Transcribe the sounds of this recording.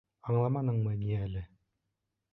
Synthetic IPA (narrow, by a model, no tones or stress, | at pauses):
ɑɴlˠɑmɑnɤɴmɤniælɘ